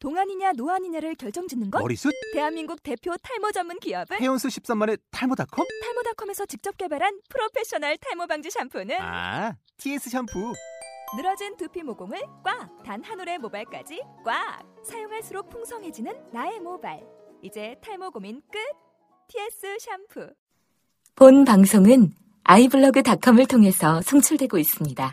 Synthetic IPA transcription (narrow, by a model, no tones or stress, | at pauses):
toŋɦaɲiɲanoaɲiɲaɾɯɭkjʌɭt͡ɕ͈ʌŋd͡ʑinːɯnɡʌʌ̰ɾḭsʰut̚te̞ɦanminɡuk̚te̞pʰjotʰaɭmod͡ʑʌmːɯnkiʌbɯejʌnsʰuɕʰi̥p̚s͈amːane̞tʰaɭmodakʰʌmtʰaɭmodakʰʌme̞sʰʌt͡ɕik̚t͡ɕ͈ʌp̚k͈e̞baɾɦanpʰɯɾopʰe̞ɕ͈ʌnaɭtʰaɭmobaŋd͡ʑiɕʰampʰonɯa̰ | tʰies͈ʰɯɕʰampʰunɯɾʌd͡ʑintɯpʰimoɡoŋɯɭkwatanhanuɾe̞mobaɭk͈a̰d͡ʑik͈wasʰajoŋɦaɭs͈ɯɾok̚pʰuŋsʰʌŋɦe̞d͡ʑinɯnːae̞mobaɭ | id͡ʑe̞tʰaɭmoɡomink͈ɯk̚ | tʰie̞s͈ɯɕʰampʰɯ | ponpaŋsʰoŋɯn | aibɯɭːʌɡɯtakʰʌmɯɭtʰoŋɦe̞sʰʌsʰʌŋt͡ɕʰuɭdwe̞ɡois͈ɯmɲida